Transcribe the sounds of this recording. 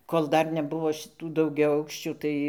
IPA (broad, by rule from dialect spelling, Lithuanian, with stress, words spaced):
koːlˠ ˈdɐr nʲɛˈbʊʋoː ʃʲɪˈtuː dɐʊɡʲɛˈɐʊkʃʲt͡ʃʲuː ˈtɐɪ